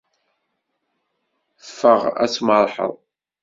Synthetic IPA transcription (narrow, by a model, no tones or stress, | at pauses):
fːəʁæ̰t͡sməɾˤħə̰ðˤ